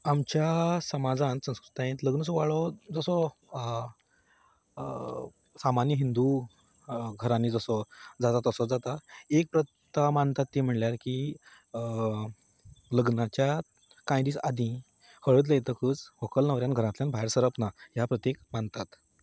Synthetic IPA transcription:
amt͡ɕjasəmad͡zãnsə̃w̃skɾut̪ãẽnt̪ləɡnəsɔʋaɭɔd͡zəsɔ | samanjəɦind̪u | ɡʱəɾanid͡zəsɔd͡zat̪at̪əsɔd͡zat̪aek̚pɾət̪ː | amant̪at̪ːiːm̤əɳljaɾki | ləɡnat͡ɕja | kãjd̪iːsad̪ʱĩ | həɭəːt̪̬ləjt̪əkət͡sʋɔkəlnəʋɾjanɡʱəɾãt̪ljanbʱaeɾsəɾəpnaɦjapɾət̪jekmant̪at̪

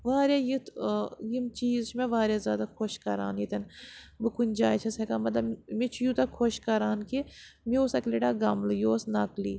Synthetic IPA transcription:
ʋaːɾjaːjit̪jimt͡ʃiːzt͡ʃʰmẽʋaːɾjazʲjaːd̪akʰoʃkɐɾa̰ːnjit̪ɐnbɨkunʲd͡ʒaːjt͡ʃʰɐsekamɐt̪lɐbmit͡ʃʰujut̪ɐkʰoʃkɐɾaːnkimioːsɐkleʈaːɡɐmlujoːsnɐkliː

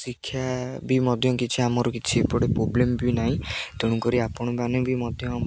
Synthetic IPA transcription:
sikʰːjabimɔd̪ʱjɔkit͡ʃʰiamɔɾɔkit͡ʃʰipoɽepɾoblembinaɦĩt̪eɽ̃ũkɔɾiapɔɽ̃ɔbanebimɔd̪ʱjɔ

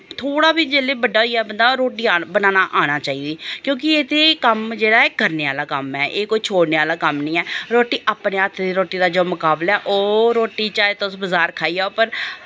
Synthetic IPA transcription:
t̪ʰoːɽaːbiːd͡ʒeːleːbəɖaːɦoiːaːbənd̪aːɾoːʈiːaːbənãːnaːʔaːɽ̃aːt͡ʃaːiːd̪iːkjõːk̬ɪeːt̪ʰeːkəmd͡ʒeːɽaːeːkəɾneːʋaːlaːkəmɛːʔeːkoːiːt͡ʃʰoːɽneːʋaːlaːkəmnĩːɛːɾoːʈiːʔaːpneːat̪ʰːd̪iːɾoːʈiːd̪aːd͡ʒoːmʊkaːblɛːʔoːɾoːʈiːt͡ʃaːeːt̪osbəzaːɾkʰaːiːaːopəɾ

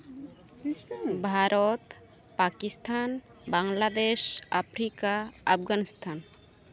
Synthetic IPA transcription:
bʱaɾɔt̪ | pakist̪ʰan | baŋlad̪eʃa̰pʰɾikaːpʰɡanist̪ʰan

